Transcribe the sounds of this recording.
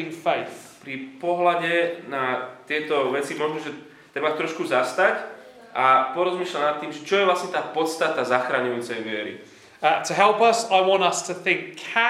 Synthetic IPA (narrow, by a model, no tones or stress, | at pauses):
ɪ̃ŋfeɪθpɾipɔɦlaɟɛnat̪ɪɛt̪ɔʋɛt͡simɔʒnɔʒɛ | t̪ɾɛbat̪ɾɔʃkuzast̪ac | apɔɾɔzmiːʃlanat̪ːiːmʒɛt͡ʃɔjɛvlastɲɛt̪aːpɔt̪st̪at̪azaxɾaɲujuːt͡sɛjʋɪɛɾḭ | tʰəɦɛlˠpɐsaɪwɒ̃ntəstʰəθɪ̃ŋkʰːa